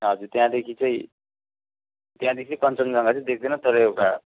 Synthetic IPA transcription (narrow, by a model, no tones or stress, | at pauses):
ɦʌd͡zuɾt̪jãd̪ekʰit͡sʰʌĩ | t̪jãd̪ekʰit͡sʰipʌnt͡sʌnd͡zʌŋɡat͡sʰʌĩd̪ek̚ʰd̪ʌnʌt̪ʰoɾʌjewʈa